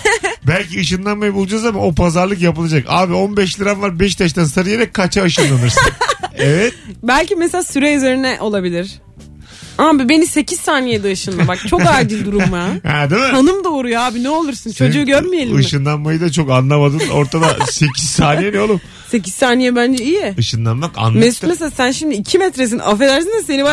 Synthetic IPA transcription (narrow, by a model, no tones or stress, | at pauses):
bælʲciɯʃɯnlˠanmajɯbulˠd͡ʒazamano̞pʰazaɾlˠɯk̬japɯlˠad͡ʒakaːbio̞nbɛʃlʲiɾanvaɾbɛʃt̪ʰaʃt̪ansaɾɯjeɾɛkkʰːat͡ʃʰaɯʃɯnlˠanɯɾsanevɛt̪bælʲcimeselʲaːsyɾeyzeɾinɛʔo̞lˠabilʲiɾ̥ | aːbibe̞nise̞cʰiz̥saːnijɛd̪ɯaʃɯnˠabak̚t͡ʃʰo̞kaɾɟilʲd̪uɾumjahɛd̪ɯmhanɯmd̪o̞ːɾujoaːbinɛo̞lˠuɾsɯnt͡ʃʰo̞d͡ʒuːɟøɾmije̞lʲiɯʃɯnlˠanmajɯd̪at͡ʃʰo̞kanlˠamad̪ɯno̞ɾt̪ʰad̪ase̞cʰiz̥saːnijɛnɛolˠum | se̞c̬iz̥saːnijɛbænd͡ʒɛijiɯʃɯnlˠanmaka̰nˠmemeseasænʃimd̪iːcʰimɛt̪ɾes̬inʔa̰felʲæɾsinɛse̞niba